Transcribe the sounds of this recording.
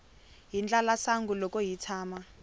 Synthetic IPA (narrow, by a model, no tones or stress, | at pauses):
ɦind͡ɮalasaŋɡulɔkɔjitʰaːma